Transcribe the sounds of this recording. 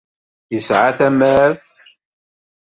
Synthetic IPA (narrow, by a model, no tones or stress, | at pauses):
jəsʕaθæmæθ